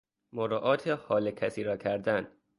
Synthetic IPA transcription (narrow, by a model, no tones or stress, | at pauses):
moɾɔːʔɒːt̪ʰehɒːlecʰæsiːɾɒːcʰæɾd̪æn̥